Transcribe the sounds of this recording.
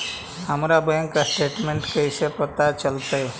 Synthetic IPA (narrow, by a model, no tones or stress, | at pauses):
ɦəmɾabɛ̃ŋkːasʈeːʈmẽɳʈkəisepət̪at͡ʃəlt̪ae